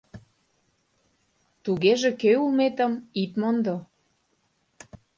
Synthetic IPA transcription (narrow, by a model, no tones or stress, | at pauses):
t̪uɣeʒĕkøulmet̪əmit̪mond̪o